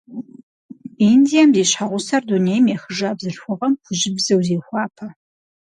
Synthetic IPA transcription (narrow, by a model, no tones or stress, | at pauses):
indijɐmziːɕħaʁʷʊsɐrdunejmeːxəʒaːbzɨɬxʷʊʁɐmχʷʊʒɪbzɐwzeːxʷɑːpʰɐ